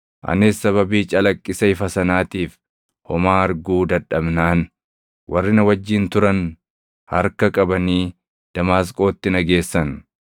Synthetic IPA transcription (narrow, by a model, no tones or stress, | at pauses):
ʔɐ̰nɪsːɐβɐbiːt͡ʃʼɐlɐkʼːɪsɐɪfɐsɐnaːt̪iːf | hɔmaːɐɾɡuːd̪ɐᶑɐbnaːn | wʔɐrːɪnɐwɐd͡ʒːɪnt̪ʊɾɐn | hɐ̰ɾkɐkʼɐbɐniː | d̪̥ɐmaːs̬kʼo̞ːt̪ːɪnɐɡe̞ːsːɐn